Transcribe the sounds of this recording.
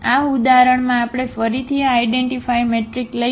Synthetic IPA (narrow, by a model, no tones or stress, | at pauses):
aud̪aɾəɳmãːpɽ̃efəɾit̪ʰiaajɖeɳʈifajmeʈɾiklə